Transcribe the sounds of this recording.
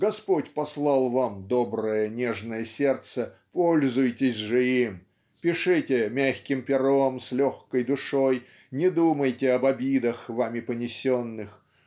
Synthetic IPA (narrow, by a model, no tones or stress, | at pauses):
ɡɐspotʲpɐslˠɑlˠvamd̪o̞bɾəjənʲeʐnəjəsʲe̞rt̪səpolʲzʊjtʲɪsʲʐɨim | pʲɪʂɨtʲɪmʲæxʲkʲɪmpʲɪɾomslʲoxkəjd̪ʊʂoj | nʲɪd̪uməjtʲɪɐbɐbʲid̪əxvamʲɪpənʲɪsʲonːɨx